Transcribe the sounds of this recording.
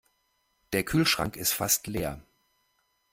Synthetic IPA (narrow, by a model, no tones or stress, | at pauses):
d̥eːɐkʰyːlʃʁ̥a̰ŋkɪstfastleːɐ